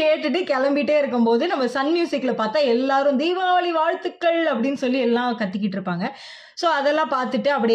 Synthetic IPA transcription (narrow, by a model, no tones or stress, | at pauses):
eːʈːɯʈ̬ːɯkɛlɐmbɪʈːeːɪɾɯkːɯmpoːðɯnɐmːɐsɐnmjuːsɪkːlɐpaːɾt̪ãːɛlːaːɾɯ̃md̪iːʋaaːɭiʋaːɻt̪ɯkːɐɭɐpːɐɽɪnːɯsɔlːiɛlːãːkɐt̪ːɯkːɪʈːɪɾɯpːaːŋɡɐ | soːɐðɛlːãːpaːɾt̪ɯʈːɯɐpːɐɽɪ